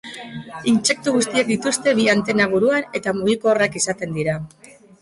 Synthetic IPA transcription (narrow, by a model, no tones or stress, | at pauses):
int͡ʃe̞k̚t̪uɣ̞ust̪iak̚d̪it̪ust̪e̞βiant̪e̞naβuɾuane̞t̪amuɣ̞ikoːrakisat̪e̞nd̪iɾa